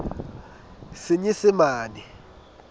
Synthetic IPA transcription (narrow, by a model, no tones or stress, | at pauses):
siɲisimaːni